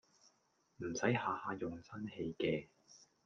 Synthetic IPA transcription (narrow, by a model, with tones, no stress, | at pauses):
m̩˨˩sɐ˨˥jhaː˨˧haː˧jʊ˨ŋsɐ˥nhe˧jkɛː˧